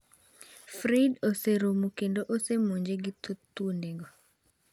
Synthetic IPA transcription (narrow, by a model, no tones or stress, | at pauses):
fɾidoseɾomukendoʔosemoɲd͡ʒeɡit̪ʰot̪uneɡɔ